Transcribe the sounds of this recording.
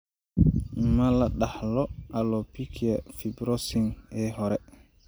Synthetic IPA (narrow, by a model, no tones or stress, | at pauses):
malaɗahlɔʔalɔpikʰiafibɾosiŋɛɦɔɾɛ